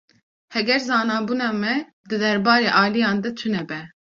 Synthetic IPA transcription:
hɛɡɛɾzɑːnɑːbuːnɑːmɛ | d̪ɨd̪ɛɾbɑːɾeːʔɑːlijɑːnd̪ɛt͡ʃʰɨnɛbɛ

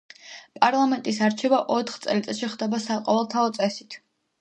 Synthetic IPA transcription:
pʼaɾlˠamɛnt̪ʼis̬aɾt͡ʃʰɛbaʔɔt̪ʰχt̪sʼɛlit̪sʼɛʃiχd̪ɛbasaqʼɔvɛlˠt̪ʰaɔt̪sʼɛsit̪ʰ

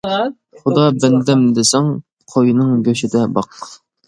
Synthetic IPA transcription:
χʊd̪ɑbɛnd̪ɛmd̪ɪsæŋ | qʰojnɨŋɡʲøʃɪd̪ɛbɑq

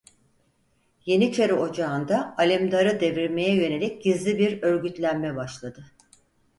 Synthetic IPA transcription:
je̞nit͡ʃʰeɾio̞d͡ʒaɯnd̪aːlʲimd̪aɾɯd̪e̞viɾme̞jɛjø̞ne̞lʲic̚ɟizlʲibiɾø̞ɾɟyt̪lʲænmɛbaʃlˠad̪ɯ

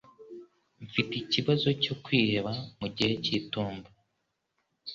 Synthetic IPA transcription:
ɱfiticiβazo̞co̞kwiːɾe̞βamuɟihe̞cituːmba

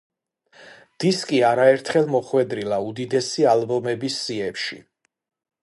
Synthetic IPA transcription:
d̪̥iskʼiaɾaɛɾt̪ʰχɛlˠmɔχwɛd̪ɾilaud̪id̪ɛsialbɔmɛbisːiɛpʃḭ

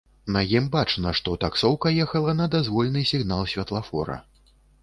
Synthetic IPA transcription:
nɐjimbat͡ʂnɐʂt̪ɔt̪aksɔwkɐjɛxɐlˠɐnɐd̪azvɔlʲnɨsʲiɣnalˠsʲvʲɐt̪lˠafɔ̰ɾɐ̰

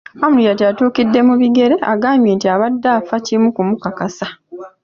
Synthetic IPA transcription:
amulijateatuːkidːe̞muβiɡe̞ɾe̞a̰ɡaːmbje̞ːntiaβadːaːfacimukumukakasa

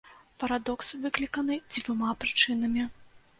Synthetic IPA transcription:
pɐɾad̪ɔksvɨklʲikɐnɨd͡zʲvʲumapɾɨt͡ʂɨnɐmʲi

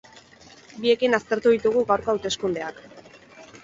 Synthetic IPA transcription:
bie̞kinast̪e̞ɾt̪uð̞it̪uɣ̞uɣawɾkoaːwt̪e̞skund̪e̞ak

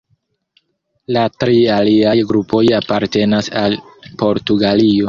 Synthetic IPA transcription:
latɾialiajɡɾupʰo̞japaɾte̞nasalpo̞ɾtuɡalio̞

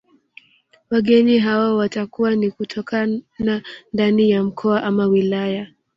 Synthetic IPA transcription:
waɠɛɲiɦawawatakuwanikutʰɔkanandanijam̩kʰɔaʔamawilaja

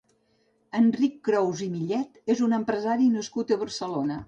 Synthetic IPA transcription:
ənrikːɾɔwzimiʎɛt̪ezunəmpɾəzaɾinəskut̪əβəɾsəlonə

